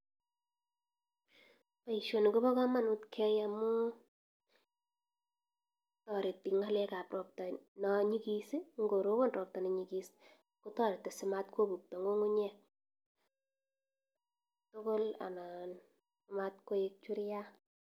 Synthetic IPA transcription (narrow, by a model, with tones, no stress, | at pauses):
pa˨i˨ʃo˨n˨ko˦bɔ˦ka˦ma˦nu˦tkʰɛ˦jamu˦ | tɔ˨ɾe˨ti˨ŋa˦lɛ˦ka˨prɔ˨p̚tɔ˨nɔɲi˦ki˦si˦ŋɡo˨ɾo˦wo˦nrʔɔ˨p̚tɔ˨nɔ˨ɲi˨ki˦si̥ | ku˦tɔ˦ɾe˨tːe˨sɪ˨ma˦t̚kwo˦bu˨k̚tɔ˨ŋɡo˦ŋu˦ɲɛ˦˨ | to˦ko˦la̰˨na˨n | ma˦tko˦e˦k̚t͡ʃwu˦ɾja˦